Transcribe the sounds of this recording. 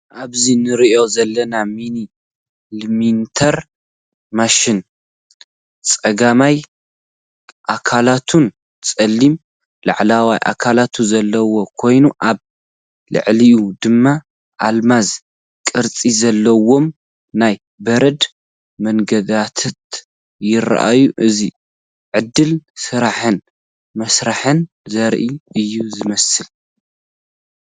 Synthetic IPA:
ʔaβzinɨɾiʔo̞zɐlːɐnamini | lmint̪ʰɐɾ | maʃɪn | t͡sʼɐɡamaj | ʔakʰalat̪ʰun | t͡sʼɐlːim | la̰ʕlawajʔa̰kʰalat̪ʰuzɐlːɐwo̞kʰo̞jnuʔaβ | lɨ̰ʕlijud̪ɨmːa | ʔalmaz | kʼɨɾt͡sʼizɐlːɐwo̞m | naj | bɐɾɐd̪ | mɐŋɡɐd̪at̪ʰat̪ | jɪɾa̰ʔa̰juʔɨzi | ʕɨd̪ːɨlsɨɾaħɨn | mɐsɾaħɨn | zɐɾʔiʔɨjːuzɨmɐsɨl

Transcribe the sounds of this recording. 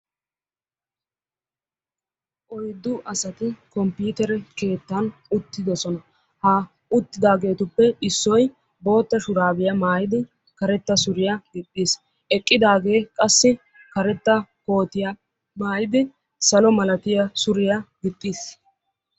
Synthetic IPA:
ʔɔjd̪ːʊʔɐsɐt̪ɪkɔmpiːt̪ɛɾɛke̞ːt̪ːɐnʊt̪ːɪd̪ɔsɔnɐ | hɐ | ʊt̪ːɪd̪aːɡe̞ːt̪ʊpːɛɪsːɔj | bo̞ːt̪ːɐʃʊɾaːbɪjɐmaːjɪd̪ɪ | kɐɾɛt̪ːɐsʊɾɪjɐɡɪt̪ʼːiːs | ʔɛkʼːɪd̪aːɡe̞ːkʼɐsːɪ | kɐɾɛt̪ːɐko̞ːt̪ɪjɐ | maːjɪd̪ɪ | sɐlɔmɐlɐt̪ɪjɐsʊɾɪjɐɡɪt̪ʼːiːs

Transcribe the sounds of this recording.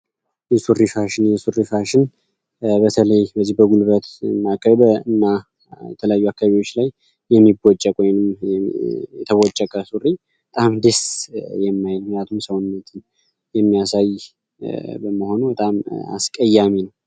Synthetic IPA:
jɛsurifaʃɪnjɛsurifaʃɪn | bət̪ʰələjbəzːihbəɡulβət̪nːakːəβbəɨnːa | jɛt̪ʰələjajːuakːaβaβiwo̞t͡ʃːlajː | ɛmːibot͡ʃʼːəkʼojnɨm | jɛt̪ʰəwɔt͡ʃʼːəkʼəsuri | bət̪ʼamd̪əsjɛmːajɪlmjat̪ʰumsəwnnːət̪ʰɨn | jɛmːijasaj | bəməho̞nubət̪ʼama̰skʼəjːaminəw

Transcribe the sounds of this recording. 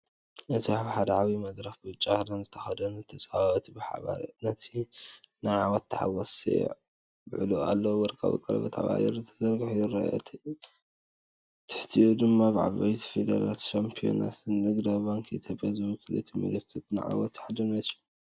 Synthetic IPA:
ʔɨt̪ʰiaβħad̪ɐʕaβimɐd̪ɾɐxbɨt͡ʃʼːahɾɐnzɨt̪ʰɐxɐd̪ɐnɨt̪ʰɐt͡sʼaβaβt̪bɨħa̰βa̰nɐt̪ʰinɨʕawɐt̪ːɨ̥ħa̰wɐsḛ | bɨ̰ʕlua̰lːɐwwɔɾkʼʰɐ̰βḭkʼɐɾɐ̰βɐ̰t̪ʰa̰βa̰jɛɾɨt̪ʰɐzɐɾɡɨħujɨɾɐ̰o̰t̪ʰ | t̪ʰɨ̥ħt̪ʰijud̪ɨmːabʕa̰βajt̪ʰi̥fed̪ala̰t̪ʃampʰijo̰na̰t̪ʰɨnːɨɡd̪abaŋkʰit̪ʰjopʼjazɨwkʰɨlɨt̪ʰimɐ̰lɐkʰːɨt̪ʼnɨ̰ʕa̰wɐt̪ħad̪ɐnɐt̪u̥

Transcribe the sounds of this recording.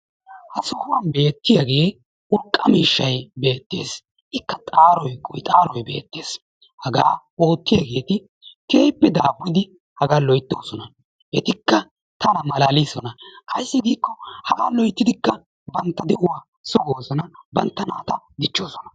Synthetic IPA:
hɐsʊhʊwɐnbe̞ːt̪ːɪjɐɡe̞ː | ʔʊɾkʼːɐmiːʃːɐjbe̞ːt̪ːe̞̰ːs | ʔɪkːɐt̪ʼaːɾɔjkʼʊjt̪ʼaːɾɔjbe̞̰ːt̪ːe̞ːs | hɐɡa̰ː | o̞ːt̪ːɪjɐɡe̞ːt̪ɪ | k̪ʰeːpːɛd̪aːbːɪd̪ɪ | hɐɡaːlɔjt̪ːoːsɔnɐ | ʔɛt̪ɪkːɐ | t̪ɐnɐmɐlaːliːsɔnɐkɐjɪsːɪɡiːkːɔhɐɡaːlɔjt̪ːɪd̪ɪkːɐ | bɐnt̪ːɐd̪ɛʔʊwaː | sʊɡoːsɔnɐbɐnt̪ːɐnaːt̪ɐd̪ɪt͡ʃːoːsɔnɐ

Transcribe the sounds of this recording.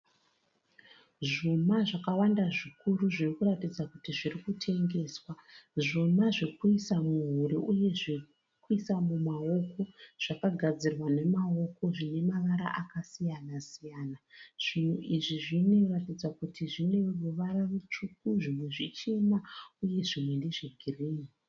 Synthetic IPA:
ʐumaʐakawandaʐikuruʐirikuratid͡zakutiʐirikutʰe̞ŋɡe̞ːswaʐomaʐikuisamuɦuɾiuje̞ʐi | kuisamumao̞ko̞ʐ̥akaɡʱad͡zirwane̞mao̞ko̞ʐine̞maʋaɾa̰ʔakasijanasijaːnaʐ̥in̤uʔiʐiʐino̞ratid͡zakutʰiʐine̞ruʋaɾaʋet͡ʂukuʐimwe̞ʐit͡ʃemauje̞ʐimwe̞ndeʐiɡʱiriːni

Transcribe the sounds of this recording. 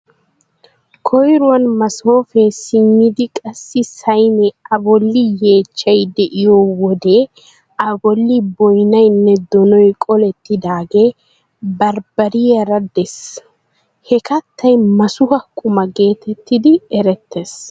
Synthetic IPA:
kʰɔjɾʊwɐnmɐsoːfɛsɪmːɪd̪ɪkʼɐsːɪsɐjnɛɐbɔlːɪje̞ːt͡ʃːɐjd̪ɛʔɪjoːwɔd̪e̞ː | ɐbɔlːɪbɔjnɐjnːɛd̪ɔnɔjkʼɔlɛt̪ːɪd̪aːɡe̞ː | bɐɾbɐɾɪjɐɾɐd̪ɛs | hɛkɐt̪ːɐjmɐsʊhɐkʼʊmɐɡe̞ːt̪ɛt̪ːɪd̪ɪɛɾɛt̪ːeːs

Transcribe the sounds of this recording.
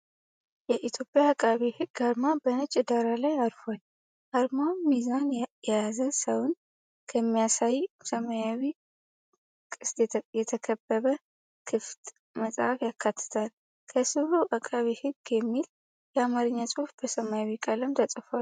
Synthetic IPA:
jɛʔit̪ʰjo̞pʼːjaːkʼːaβihɨɡaɾmabənət͡ʃʼːɪd̪aɾalajaɾfal | ʔaɾmawmizanjɛjazəsəwn | kʰəmːijasajsəmajawi | kʼɨst̪jɛt̪ʰəkʰəbːəβə | kʰɨft̪ʼ | məsʼhafjakʰːat̪ʰːɨ̥t̪ʰal | kʰəsɨβuʔakʼːaβihɨɡjɛmːil | jɛamaɾɨɲːasʼufb̥əsəmajawikʼaləmt̪ʰəsʼfal

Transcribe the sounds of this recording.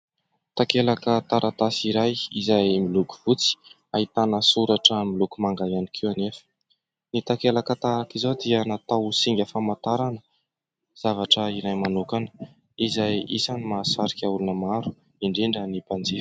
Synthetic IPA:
t̪akelakət̪aɾʔat̪asiɾajizajmiluku̥v̥ut͡si̥ | aɦit̪anəsuɾaʈ͡ʂəmilukumaŋɡajanikʰiwanefə̥ | nit̪akelakət̪aakizod̪iənat̪awsiŋɡʲafamat̪aɾanə | z̥avaʈ͡ʂəiɾajmanukanə̥ | izajḭsanimaːsaɾikʲaulunəmaɾu̥ | iɳɖ͡ʐiɳɖ͡ʐənipand͡ziɾ̥

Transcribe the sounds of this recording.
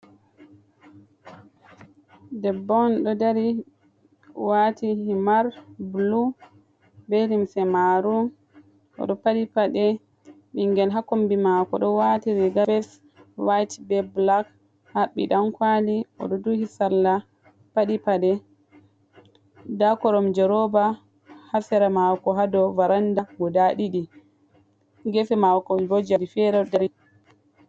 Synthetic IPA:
dɛbːɔnɗɔdaɾi | watʰihimaɾblu | belimsɛmaɾu | ʔɔ̰ɗɔpaɗipaɗɛ | ɓiŋɡɛlɦakombimakɔ̰ɗɔwatiɾiɡabɛs | wajtibɛblak | haɓːḭɗamkwaliɔ̰ɗɔduhisalːa | paɗipaɗɛ | dakɔɾɔmd͡ʒɛɾɔba | hasɛɾamawkɔɦadɔvaɾandaɡɔdaɗiɗi | ɡɛfɛmawkɔbod͡ʒadifɛɾɛdɛɾ

